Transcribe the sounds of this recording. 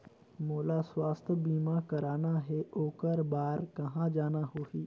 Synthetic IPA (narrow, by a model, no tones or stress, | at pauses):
moːlaswaːst̪ʰəbiːmakɐɾaːnaɦɛʔoːkəɾbaːɾkɐɦãd͡ʒaːnaɦoːɦiː